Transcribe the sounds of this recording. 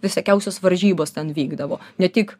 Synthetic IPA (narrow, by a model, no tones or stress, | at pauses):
ʋʲɪsʲɐkʲɛʊsʲoːsʋɐɾʲʒʲiːboːst̪ʲɛnʋʲiːɡd̪ɐʋoːnʲɛt̪ʲik